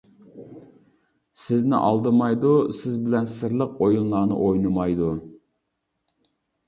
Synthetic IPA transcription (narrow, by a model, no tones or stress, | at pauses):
sɪznɪ̰ʔɑ̰lˠd̪ɨmɑjd̪usɪzbɪlɛnsɪɾlˠəqʰojunlːˠɑːnɨ̰ʔojnɨmɑjd̪u